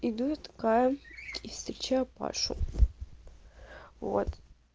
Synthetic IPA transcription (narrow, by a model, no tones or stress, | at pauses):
id̪ut̪kajɐifst̪ɾʲet͡ɕajpa̰ʂṵ | vo̰t̪